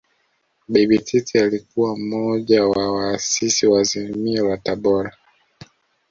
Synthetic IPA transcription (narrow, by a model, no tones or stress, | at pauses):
bɛbititialikuwam̩mɔʄawawaːsisiwazimiawataɓɔɾa